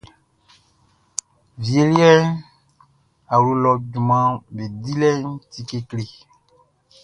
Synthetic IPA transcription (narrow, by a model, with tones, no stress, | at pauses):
vi˨e˨li˦ɛ˦n | a˨ɾu˦lɔ˨du˨mã˦be˨di˦lɛ˦n˦ti˦ke˦kle˨